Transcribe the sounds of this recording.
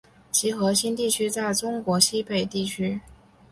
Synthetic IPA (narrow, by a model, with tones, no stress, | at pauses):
t͡ɕʰi˧˥xɤ˧˥ɕi˥nt̪i˥˩t͡ɕʰy˥t͡sa˥˩ɪʈ͡ʂʊ˥ŋkwɔ˧˥ɕi˥pe˥˩ɪt̪i˥˩t͡ɕʰy˥